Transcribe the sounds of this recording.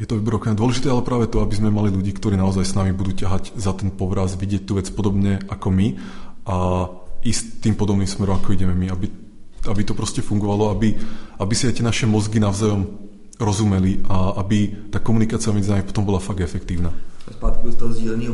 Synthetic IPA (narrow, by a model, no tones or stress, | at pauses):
jɛt̪ɔʋɛbɾɔkɛɲad̪ɔlɛʒit̪ɛːalɛpɾaːʋɛt̪ɔabizmɛmaliluɟiːkt̪ɔɾiːnaɔzajsnamibud̪uːcaɦaɟzat̪ɛnpɔʋɾazʋiɟɪɛc̚t̪uːʋɛt͡spɔd̪ɔbɲɛʔakɔmia | ist̪ːiːmpɔd̪ɔbniːmsmɛɾɔmakɔiɟɛmɛmiabi | abit̪ɔpɾɔscɛfuŋɡɔʋalɔabiabisiajt̪ɪɛnaʃɛmɔzɡinaʊzajɔm | ɾɔzumɛliʔaabit̪aːkɔmunikaːt͡siamɛd͡zinamipɔ̥t̪ɔmbɔlafaɡɛfɛkt̪iːʊnaːspaːt̪kɔist̪ɔɔzɟɛːlɛɲi